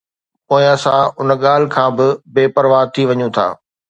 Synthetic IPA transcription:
põːɪ̃ɐsãʊnɠaːl̤ɪkʰãːbɪbeːpɐɾʋaːt̪ʰiʋɐɲũt̪ʰa̰ː

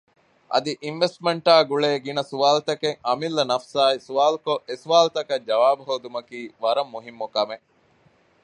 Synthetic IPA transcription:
ʔɐ̰d̪iʔinʋesʈmeɳʈaːɡuɭeːɡinɐsuʋaːlut̪ɐkeŋɐmilːɐnɐfsaːisuʋaːlukoʔesuʋaːlut̪ɐkɐd͡ʒɐʋaːbuɦoːd̪umɐkiːʋɐɾɐmːuɦimːukɐme

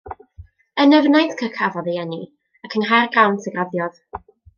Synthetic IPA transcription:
ənəvnajtkʰəkʰavɔðiɛni | akʰənɦarɡrawntʰəɡraðjɔð̥

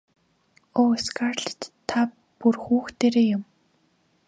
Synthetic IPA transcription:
oːskarɮt̪ʰːa | purxuːxt̪eːɾeːjʊm

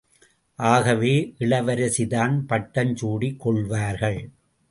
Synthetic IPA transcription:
ʔaːɣɐʋeːʔɪɭɐʋɐɾɐsɪðaːnpɐʈːɐnt͡ʃuːɽikːɔɭʋaːɾɣɐɭ

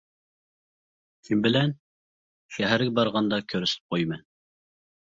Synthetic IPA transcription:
sʰinbɪlɛn | ʃæɦæɾɡʲɛbɑɾʁɑnd̪ɑkʲʰøɾysɪp̚qʰojmɨn

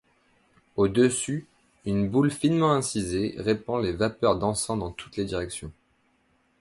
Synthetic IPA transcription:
od̪əsy | ynbulfinmɑ̃ɛ̃sizeʁepɑ̃levapœʁd̪ɑ̃sɑ̃d̪ɑ̃t̪ʰu̥t̪led̪iʁɛksjɔ̃

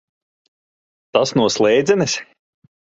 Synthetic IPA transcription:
t̪asnuɔslˠɛjd̪zɛnɛs

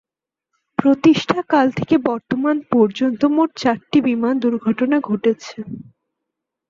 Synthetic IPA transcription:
pɾot̪iʃʈʰakalt̪ʰekebɔɾt̪omanpɔɾd͡ʑont̪omoʈ̚t͡ɕaɾʈibimand̪uɾɡʱɔʈonaɡʱoʈet͡ɕʰe

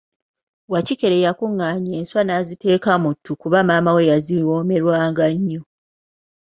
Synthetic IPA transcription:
wacike̞ɾe̞jakuŋːaɲe̞ːnswanazite̞ːkamutʰːukuβamaːmawe̞jaziwo̞ːme̞ɾwaːŋɡaɲːo

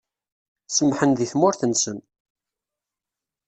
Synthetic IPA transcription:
səmħənðiθmʊɾθənsəm

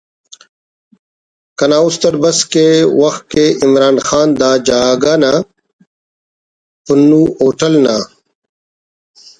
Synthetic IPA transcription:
kɐnaːust̪ɐɾbɐskewɐxt̪̚keimɾaːnxaːnd̪aːd͡ʑaːɡana | punːuːoːʈɐlnaː

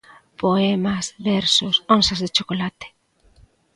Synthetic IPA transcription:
poɛmasβɛɾsʊsonsazðet͡ʃokolat̪e̥

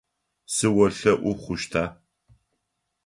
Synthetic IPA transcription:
sɨwɐɬɐʔʷʊχʷʊʃtʰaː

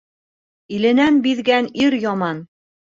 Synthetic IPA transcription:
ilɘ̆nænbiðɡæniɾjɒmɑn

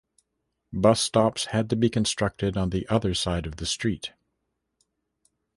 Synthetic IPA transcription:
bʌstɑpshɨd̚tɨbikɨ̃n̩stɹ̥ʌk̚tɨɾn̩ðiʔʌðə˞saɪɾʌvðɨstɹ̥it̚

